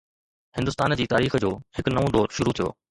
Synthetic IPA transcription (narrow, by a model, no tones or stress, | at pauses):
hɪ̃nd̪ʊst̪aːnd͡ʑiːt̪aːɾiːxd͡ʑoːhɪkʊnɐʋõd̪ɔːɾʃʊɾut̪ʰijo̰ː